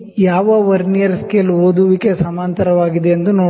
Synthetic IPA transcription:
jaːʋɐʋɐɾnijɐɾskelɦoːd̪uʋikesɐmaːnt̪ɐɾɐʋaːɡid̪e̞ɐnd̪unoː

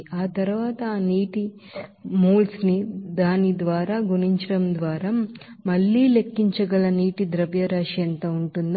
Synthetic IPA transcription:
aːt̪ɐɾuʋaːt̪ɐaːniːʈi | muːlsnid̪aːnid̪ʋaːɾaːɡuniɲt͡ʃɐɽɐmd̪ʋaːɾamɐɭːiːle̞kːiɲt͡ʃɐɡɐɭɐniːʈid̪ɾɐʋjɐɾaːʂɐnt̪ɐuɳʈund̪

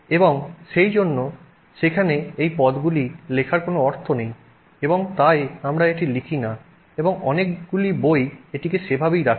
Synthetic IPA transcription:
eboŋʃejd͡ʑonːo | ʃekʰaneejpɔd̪ɡulilekʰaɾkonoɔɾt̪ʰonej | eboŋt̪ajamɾaeʈilikʰina | eboŋɔnekɡulibojeʈikeʃebʱabijɾakʰ

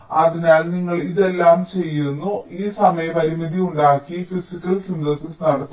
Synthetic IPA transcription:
ɐðinaːlniŋːɐɭiðe̞lːaːmt͡ɕe̞jːiɾunːuiːsɐmɐjɐpɐɾimiðiuɳɖaːkːifisikʲːɐlsindɐːsisnɐɽɐt̪ː

